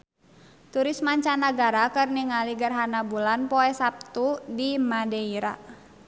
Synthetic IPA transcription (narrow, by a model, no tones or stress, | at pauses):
t̪uɾismaɲt͡ʃanaɡaɾakɨrniŋaliɡərɦanabulanpɔɛsap̚t̪udimadɛiɾa